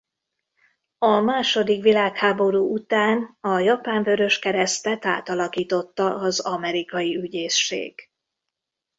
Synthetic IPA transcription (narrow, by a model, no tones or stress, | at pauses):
ɒmaːʃo̞d̪ikʋilaːkhaːbo̞ɾuːut̪aːnɒjɒpaːɱvøɾø̞ʃkɛɾɛst̪ɛt̪a̰ːt̪ɒlɒkiːt̪o̞t̪ːɒʔɒzɒmɛɾikɒjiyɟeːʃːḛːɡ̥